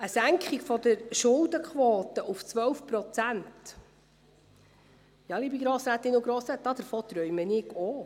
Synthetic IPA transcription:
əsæŋkχikfɔd̪əɾʃʊld̪əkχʋoːt̪əʔuft͡sʋœwfpɾɔt͡sænt | jɑliːbiɡɾoːsɾæːt̪ːɪnuɡɾoːsɾæːt̪̚d̥̪ɑd̥̪əɾfɔːt̪ɾœʏmənɪɡo

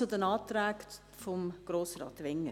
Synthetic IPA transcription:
ʊdənɑːt̪ɾæːɡ | fɔmɡ̥ɾoːsrɑ̰ːt̪ʋɛŋːə

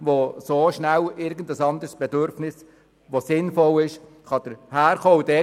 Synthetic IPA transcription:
ʋosoːʃnælɪɾɡən̩d̪əsɑnd̪əɾsb̥ɛd̪øɾfnɪs | ʋosɪnfɔlɪʃ | χɑd̥̪əɾhæːɾχoːudɛ

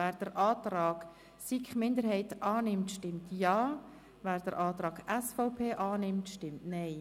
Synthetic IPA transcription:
æːɾd̥əɾʔɑːtɾɑːɡ | sikχmɪndəɾhɛɪtʔɑːnɪmtʃtɪmtjɑː | væːɾd̥əɾʔɑːt̪ɾɑːɡ̥ɛsfɔʊpʰeːʔɑːnɪmtʃtɪmtnɛɪ

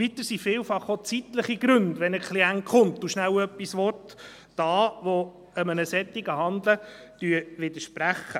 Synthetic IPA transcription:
vit̪əɾsifɪːlfɑχot͡sit̪ləχiɡɾɵndʋɛnəkχliæŋtχʊmtʊʃnæwœpːisʋɔtː | ɑːʋo | əmənəsɛt̪ːiɡəɦɑnd̪lə | d̥yəʋɪd̪əʃpɾæχːə

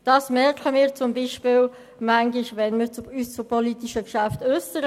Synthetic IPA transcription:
d̥ɑːsmɛɾkχəmɪːɾt͡sʊmbiʃpɪːl | mæŋɡlɪʃvɛnmiːt͡syst͡sʊpʰɔlit̪iʃəkʃaftøstəɾ

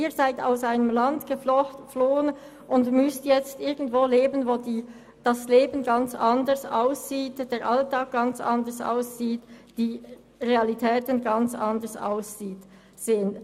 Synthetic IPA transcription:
ʔiːɐzaɪta̰ʊsaɪnəmlandɡ̥əfloːən | ʔʊndmʏstjɛt͡stʔɪɐɡn̩tv̥oːleːbənvoːdiː | d̥ɑsleːbən̩ɡɑnt͡sɑndəsaʊsz̥iːtd̥eːɾʔɑltɑːk̚ɡ̥ɑnt͡sʔɑ̰ndəsa̰ʊsz̥iːtd̥iː | ʁeɑlitʰɛːtənɡɑnt͡sʔɑndəsa̰ʊsz̥iːt | z̥eːən

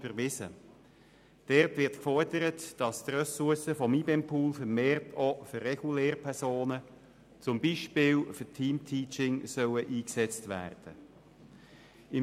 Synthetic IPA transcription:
bəɾʋɪsə | d̥ɛrtʋɪɾtkfɔrd̥əɾətd̥ɑstrœsʊɐsəfɔmiːbɛmpʰuːlfəɾmeːrtʰofʏrːɛɡ̥ulɛːɾpʰɛʁsoːnə | t͡sʊmbiːʃpɪːlfʏtʰiːmtʰiːt͡ʃɪŋsœwəʔiːksɛt͡stvæ̰ːrd̥ə | ɪ

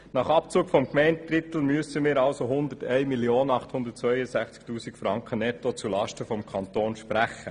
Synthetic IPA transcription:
nɑχɑpt͡suːkfɔmkmɛɪntrɪt̪l̩myəsəmɪːɾɑlsoɦʊnd̪ətɛɪmilioːnɑχthʊnd̪ət̚t͡sʋœʏəsæχt͡sktuːsikfɾɑŋkχənɛtot͡sulɑʃtəfɔmkʰɑnt̪oːnʃpɾæχə

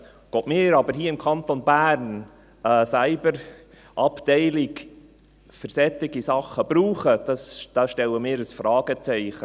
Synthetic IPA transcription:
ɡ̥otmɪːɾɑbəɾɦiːɪmkʰɑnt̪onbæːɾn | ɛːsæɪbəɾ | ʔɑptɛɪlɪk | fəɾsɛt̪ɪɡisɑχəb̥ɾuːχəd̪̥ɑsd̥ɑʃtɛləmɪːɾəsfrɑːɡ̥ət͡sɛɪχə

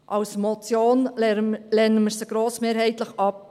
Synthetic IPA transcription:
ʔɑwsmɔt͡sjoːnlɛnəməɾsəɡ̥ɾoːsmeːɾhɛɪt̪ləχɑp̚

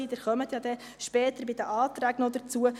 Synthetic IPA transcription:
iːdəχœmət̪jɑd̥̪ɛ | ʃpɛːt̪əɾbɪd̪əʔɑːt̪ɾæːɡnɔd̪ət͡suə

